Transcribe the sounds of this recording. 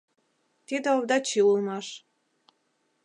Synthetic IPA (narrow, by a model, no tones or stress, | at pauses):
t̪id̪old̪ɑt͡ɕiulmɑʃ